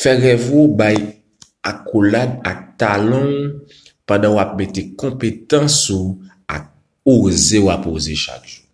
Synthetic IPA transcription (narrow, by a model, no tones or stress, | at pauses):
fɛɣɛvobaj | akʰolad̚ak̚talɔ̃ | pãdãwap̚metekɔ̃petãsu | a̰k̚ | ozewapozeʃa̰kʒ̥u